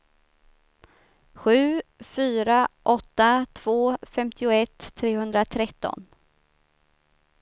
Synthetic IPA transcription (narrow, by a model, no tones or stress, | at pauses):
ɧʉ̟ːfyːɾaʔɔt̪ːat̪ʰv̥oːfɛmt̪ʰɪʊɛt̪ʰːɾeːhɵnd̪ɾat̪ʰɾɛt̪ːɔ̰n